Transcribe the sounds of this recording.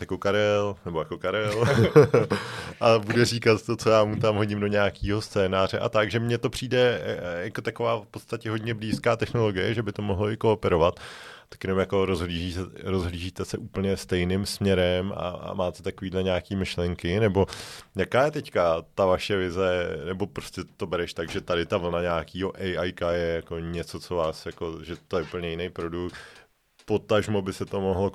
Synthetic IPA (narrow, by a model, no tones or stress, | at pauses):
jakokaɾɛlnɛbojako̞kaɾɛl | ʔabudɛriːkat̪t̪o̞t͡so̞jaːmut̪amɦo̞ɟɪmdo̞ɲaːkiːɦo̞st͡sɛːnaːr̝ɛʔa̰t̪akʒɛmɲɛt̪o̞pr̝̥iːdɛjakot̪ako̞vaːfpo̞t̪st̪acɛɦo̞dɲɛbliːskaːt̪ɛxno̞lo̞ɡɪjɛʒɛbɪt̪omo̞ɦloʔɪkoːpɛɾo̞vat̪t̪ḁkjɛnomjako̞ɾo̞zɦliːʒiːsɛɾozɦliːʒiːt̪ɛsɛʔuːpl̩ɲɛst̪ɛjnɪmsmɲɛɾɛma̰a̰maːt̪ɛt̪akoviːdlɛɲaːkiːmɪʃlɛŋkɪnɛbo̞jakaːjɛt̪ɛckat̪avaʃɛvɪzɛnɛbo̞pɾo̞scɛt̪o̞bɛɾɛʃt̪aɡʒɛt̪adɪt̪avl̩naɲaːkiːɦo̞ʔɛjʔajkajɛjako̞ɲɛt͡so̞t͡so̞vaːsjako̞ʒɛt̪o̞jɛupl̩ɲɛjɪnejpɾo̞dukt̪ | po̞t̪aʒmobɪsɛt̪o̞moɦlo